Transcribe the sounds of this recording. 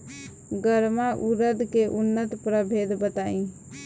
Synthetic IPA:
ɡəɾmaʔuɾəd̪ʱkeʔunːət̪pɾəbʱed̪ʱbət̪aĩ

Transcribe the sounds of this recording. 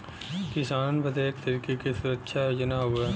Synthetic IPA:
kɪsaːnbɐd̪eːk̚t̪əɾiːkekisʊɾəkʃʰajod͡ʒnaɦueː

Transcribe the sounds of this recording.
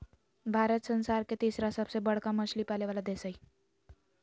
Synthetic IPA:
bʱaɾət̪sənsaɾket̪isɾasəbsebəɽkaməɕlipaleʋalad̪esaj

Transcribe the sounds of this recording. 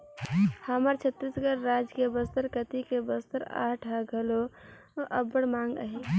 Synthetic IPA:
haməɾt͡ʃʰət̪ːiːsɡəɾːaːd͡ʒkebəst̪əɾkət̪ikebəst̪əɾa̰ːʈʰaɡʱəlo | əbəɽmãːŋɡə̰ɦe

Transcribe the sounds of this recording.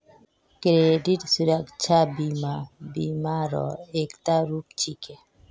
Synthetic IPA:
kɾeɖitsuɾakt͡ʃʰabimabimaɾɔ̰ekt̪aɾup̚t͡ʃʰike

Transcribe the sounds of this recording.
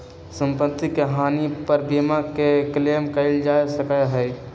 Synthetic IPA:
sə̃mpət̪ːikeɦaːnipəɾbiːmakekleːmkəɪld͡ʒaːjsəkəɦɛɪ

